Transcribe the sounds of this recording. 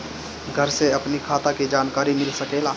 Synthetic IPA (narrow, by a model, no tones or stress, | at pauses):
ɡʱəɾseɐpnikʰaːt̪akid͡ʒaːnkaːɾimɪlsəkeːlaː